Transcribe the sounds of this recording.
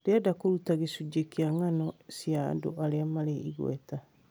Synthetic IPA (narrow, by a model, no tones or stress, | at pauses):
deadakuɾutaɣisuɟekiaŋanosja̰ndo̰ʔaleamaleḭɣwḛta